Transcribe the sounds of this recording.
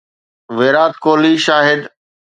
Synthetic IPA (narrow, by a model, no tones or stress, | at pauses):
ʋeːɾaːt̪koːliʃaːɦɪd̪